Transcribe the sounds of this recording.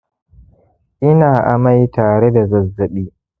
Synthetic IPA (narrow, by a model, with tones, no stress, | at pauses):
ʔɪ˦naː˨ʔa̰˨ma˦jtaː˨ɽe˦da˨zɐ˨zːɐ˨ɓiː˦